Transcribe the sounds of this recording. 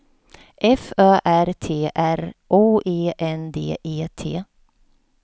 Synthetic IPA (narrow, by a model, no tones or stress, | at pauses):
ʔɛfœːʔæɾt̪ʰeːʔæɾʔoːʔeːʔɛnd̪ḛːʔeːt̪ʰeː